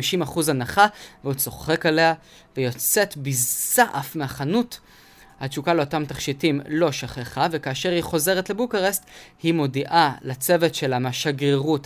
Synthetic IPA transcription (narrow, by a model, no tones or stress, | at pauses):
iʃimaχuzanaχaveut͡so̞χe̞kale̞ha | vejo̞t͡se̞tbizsaʔafmeaχanut | hat͡ʃukaleo̞tamtaχʃitimlo̞ʃaχeχavekaːʃe̞ʁhiχo̞ze̞ʁetle̞bukaʁesthimo̞diʔalat͡se̞ve̞tʃelamaʃaɡeʁut